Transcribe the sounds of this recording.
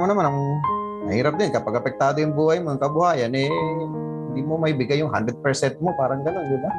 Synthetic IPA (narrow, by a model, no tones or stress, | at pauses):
manamanaŋ | nɐɦiːɾap̚d̪ɪnkɐpaɡapɛk̚t̪aːd̪oɪŋbuajmoŋkabuɦaːjanɛ | hɪnd̪imomajbɪɡajʊŋɦa̰nd̪ɾɛd̪̚pɛɾsɛnt̪̚mopaɾaŋɡɐnoŋɡɪba